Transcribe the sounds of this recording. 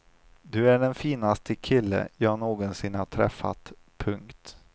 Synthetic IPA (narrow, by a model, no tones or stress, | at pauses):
d̪ɵæɖɛnfiːnast̪ʰəkʰɪlːə̰jɑːhaɳoːɡɔnsɪnhaʈʰɾɛ̰fːa̰t̪ | pʰɵŋkt̪